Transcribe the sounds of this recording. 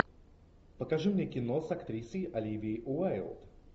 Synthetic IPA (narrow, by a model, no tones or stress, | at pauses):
pəkaʐɨmnʲekʲɪnosakt̪ɾʲisʲəjʔalʲivʲiʔʊalˠt̪